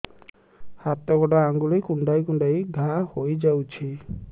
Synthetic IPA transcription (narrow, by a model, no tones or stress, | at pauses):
hat̪ɔɡɔdɔaŋɡulejkuɳɖajkunɖajɡʱahojd͡ʒawt͡ʃʰi